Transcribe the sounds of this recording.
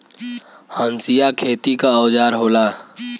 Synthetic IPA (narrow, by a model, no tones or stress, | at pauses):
hənsijakʰeːt̪ikaːwd͡ʒaːɾɦoːlaː